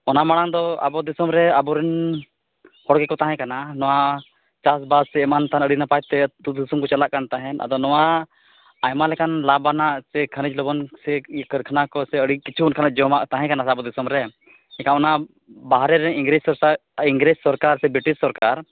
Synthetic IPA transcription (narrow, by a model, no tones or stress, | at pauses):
ɔnamaɽ̃aŋd̪ɔa̰bɔd̪isɔmɾɛabɔɾɛn | hɔɽkɛkɔt̪aɦɛ̃kananɔwa | t͡ʃasbassɛɛmant̪anəɽinapajt̪ɛd̪ud̪isɔmkɔt͡ʃalaʔkant̪aɦɛ̃na̰d̪ɔnɔwa | ajmalɛkanlabanaʔsɛkʰənid͡ʒlɔbɔnsɛkəɾkʰənakɔsɛəɽikit͡ʃʰuɔnkʰanaʔd͡ʒɔmaʔt̪aɦɛ̃kanasabɔd̪isɔmɾɛ | ɛ̃kaɔna | baɦɾɛɾɛ̃iŋɡɾid͡ʒsɔɾiŋɡɾed͡ʒsɔɾkaɾsɛbɾiʈissɔɾkaɾ